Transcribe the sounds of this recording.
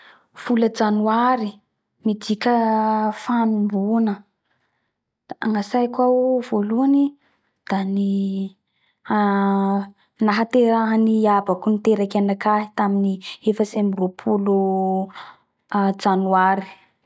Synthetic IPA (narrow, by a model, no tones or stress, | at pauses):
fuləd͡ʒanuaɾi | mid̪ikʲəfanumbunə | aŋasajkwauv̥oluani | d̪̥ani | a | naɦat̪eɾaɦaniabakunit̪eɾakanakaɦi̥t̪aminiefəsemiropʰulu | d͡zanuaɾi̥